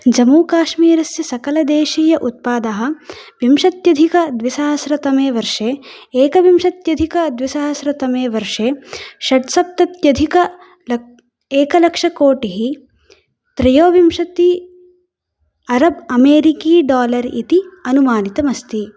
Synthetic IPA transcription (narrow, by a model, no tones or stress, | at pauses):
d͡ʒɐmuːkaːʃmiːɾɐsjɐsɐkɐlɐd̪eːʃiːjɐʔut̪̚paːd̪ɐɦɐ̆ʋimʂɐt̪jɐd̪ʱikɐd̪ʋisɐːɦɐsɾɐt̪ɐmeːʋɐɾʂeːeːkɐʋimʂɐt̪jɐd̪ʱikɐd̪ʋisaːɦɐsɾɐt̪ɐmeːʋɐɾʂeːʃɐʈsɐp̚t̪ɐt̪jɐd̪ʱikɐ | l | eːkɐlɐkʂɐkoːʈiɦi | t̪ɾɐjoːʋimʂɐt̪i | ɐɾɐbɐmeːɾikiːɖaːlɐɾḭt̪iɐnumaːnit̪ɐmɐst̪i